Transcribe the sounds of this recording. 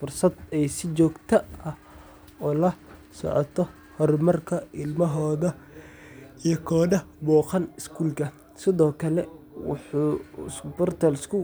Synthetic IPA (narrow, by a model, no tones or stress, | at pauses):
fʊrsɐd̪ɛjsɪt͡ʃɔːɡt̪ʰɐɐh | ɔːlɐsɔ̰ʕ̰t̪ʰɔ | hɔrmɐrkʰɐɪlmɐɦɔːðɐ | ijɔkʰɔːnɐbɔːqɐnɪskʰuːlkʰɐ | sɪðɔːkʰɐlɛwʊ̰ħuːɪ̰sbɔrt̪ʰɐlɪskʰʊ